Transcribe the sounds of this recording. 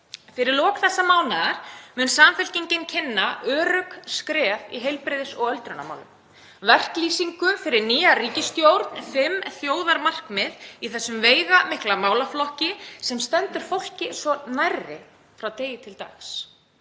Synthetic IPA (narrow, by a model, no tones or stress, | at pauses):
fɪɾɪɾlɔːkθɛsːamaːwnaɣaɾ̥mʏnsaːmfʏl̥ciɲcɪncʰɪnːaʔœːɾʏkskɾɛːviɦejlpɾɪðɪsɔɣœlt̪ɾʏna̰ma̰wlʏ̰m | vɛr̥kliːsiŋkʏfɪɾɪɾniːariːcɪst̪jowɾt̪nfɪmθjoːwðaɾmar̥kmɪðiθɛsːʏmveːjɣamɪhklamaːwlaflɔhcɪsɛmst̪ɛnt̪ʏɾ̥fowl̥cɪsɔnajrɪ | fɾawt̪eːjɪt̪ʰɪlt̪a̰xs